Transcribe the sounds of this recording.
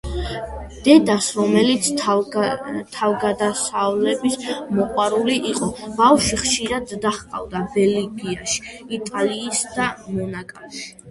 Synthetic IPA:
d̪̥ɛd̪asɾɔmɛlit̪sʰ | t̪ʰavɡad̪asavlɛbismɔqʼwaɾuliʔiqʼɔb̥afʃiχʃiɾad̪ːaχqʼa̰vd̪abɛliɡiaʃi̥it̪ʼaliːsd̪̥amɔnakʼa

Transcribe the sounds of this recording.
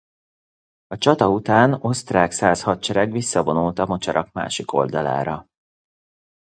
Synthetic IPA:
ɒt͡ʃɒt̪ɒut̪aːno̞st̪raːksaːshɒt̪̚t͡ʃɛɾɛɡʋisːɒvo̞nult̪ɒmo̞t͡ʃɒɾɒkma̰ːʃiko̞̰ld̪ɒla̰ːɾɒ

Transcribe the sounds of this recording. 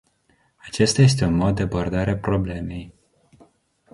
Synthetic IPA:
at͡ʃe̞st̪aje̞s̬t̪e̞unmo̞d̪̚ːeabo̞rd̪aɾeapɾo̞ble̞me̞j

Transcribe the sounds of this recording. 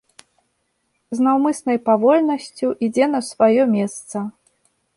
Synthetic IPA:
znawmɨsnɐjpavɔlʲnɐsʲt͡sʲuʔid͡zʲɛnɐsvajɔmʲɛst̪sɐ

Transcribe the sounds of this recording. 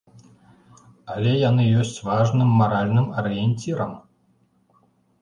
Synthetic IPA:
alʲɛjan̪ɨjɔsʲt͡sʲvaʐnɨmːaɾalʲnɨmɐɾɨjɛnʲt͡sʲiɾɐm

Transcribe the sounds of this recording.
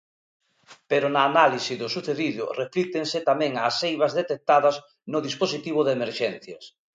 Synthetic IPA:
peɾʊnaːnalisiðʊsuθeðiðʊ̰reflit̪eŋsɪt̪amɛ̃ŋaːsːejβɐzðet̪ek̚t̪aðɐz | nʊðisposit̪iβ̞ʊðemeɾʃɛn̟θjɐs

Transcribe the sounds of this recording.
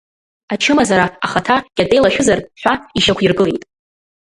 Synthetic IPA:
at͡ʃʰɨmazaɾaːχatʰaɡ̥ʲatʼe̞jlaʃᶣʊzarħʷᶣaiʃakʷʰirɡɨlejtʼ

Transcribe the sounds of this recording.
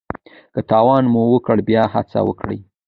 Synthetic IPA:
kət̪ɑwɑnmuwəkəɽbjɑha̰t͡sa̰wə̰kɽə̰j

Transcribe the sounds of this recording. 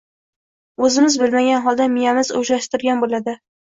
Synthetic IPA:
ɵzɪmɪzbɪlmaɡʲanɦɒlˠd̪amijamɪzɵ̰ʒɾaʃt̪ɪɾɡʲanbolad̪ɪ

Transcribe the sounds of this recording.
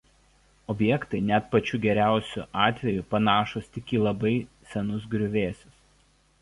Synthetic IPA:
ɔbʲjɛkt̪ɐɪnʲɛt̪pɐt͡ʃʲuːɡʲɛɾʲæˑʊsʲṵʔɑːt̪ʲʋʲɛjʊpɐnɑːʃʊst̪ʲɪkʲiːlˠɐbɐɪsʲɛnʊs̬ɡɾʲʊʋʲeːsʲʊs

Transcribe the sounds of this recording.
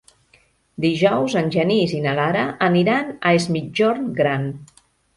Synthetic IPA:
d̪iʒɔwzənʲʒənizinalaɾəʔəniɾanəezmid͡ʒɔɾnɡɾan

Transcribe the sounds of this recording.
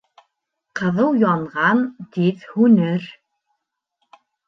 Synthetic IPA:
qɤ̆ðɤwjɑɴʁɑnt̪iðhʉnɘɾ

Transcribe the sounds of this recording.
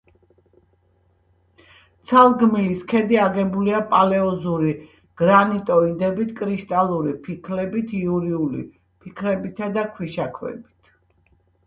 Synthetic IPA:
t̪sʰalˠɡmiliskʰɛd̪iaɡɛbuliapʼalɛɔzuɾi | ɡ̥ɾanit̪ʼɔid̪ɛbit̪ʰkʼɾiʃt̪ʼalˠuɾipʰikʰlɛbit̪ʰiuɾiulḭ | pʰikʰɾɛbit̪ʰad̪akʰwiʃakʰwɛ̰bit̪ʰ

